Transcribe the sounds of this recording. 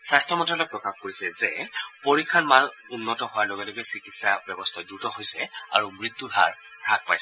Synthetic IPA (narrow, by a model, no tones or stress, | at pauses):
sastʰɹɔmɔtalɔpɹɔkaxkoɹisɛzɛpoɹikʰːanman | unːɔtɔhowaɹloɡɛloɡɛsikitsabɔbɔst̪ʰɔdɹutɔɦojsɛa̰ɹumɹit̪ːudʱa̰ɹ | ɹak̚pajsɛ